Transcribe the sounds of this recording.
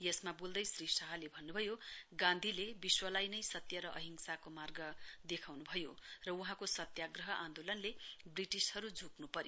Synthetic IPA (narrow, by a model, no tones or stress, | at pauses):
jʌsmabold̪ʌjsrisʌɦʌlebʱʌnːubʱʌjoɡãnd̪ʱilebiswʌlajnʌjsʌt̪jʌɾʌʔʌɦiŋsakomarɡʌd̪ekʰawnubʱʌjorʌuɦãkosʌt̪jaɡrʌɦʌʔãnd̪olʌnlebriʈishʌɾud͡zʱuknupʌɾjo